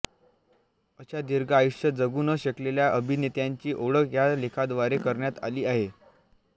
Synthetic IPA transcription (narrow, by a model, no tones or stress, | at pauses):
əɕad̪iɾɡaajuʂjəd͡zəɡuːnəɕəkleljaʔəbʱinet̪jaɲt͡ɕiːʔoɽəkjalekʰad̪ʋaɾekəɾɳjat̪a̰liːaɦe